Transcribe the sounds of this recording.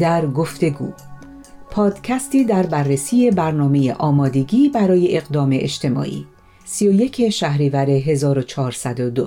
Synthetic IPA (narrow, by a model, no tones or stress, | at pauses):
d̪æɾɡo̞ft̪e̞ɡṵː | pʰɒːd̪̥cʰæst̪iːd̪æɾbærːesiːe̞bæɾnɒːme̞jḛʔɒːmɒːd̪e̞ɡiːbæɾɒːje̞ʔːɣd̪ɒːme̞̰ʔḛʃt̪ʰe̞mɒ̰ːʔḭː | sijo̞je̞cʰe̞ʃæhɾiːvæɾe̞ɦe̞zɒːɾo̞t͡ʃʰɒːɾsæd̪od̪o